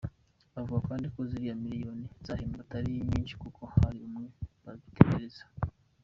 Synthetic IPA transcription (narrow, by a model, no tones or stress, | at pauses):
avuɡakaːndiko̞ziɾijamiɾijo̞niz̥aheːmbataɾijiɲiːnʃi̥kukʰo̞haɾiumŋe̞βaβiteɡeɾez̥ḁ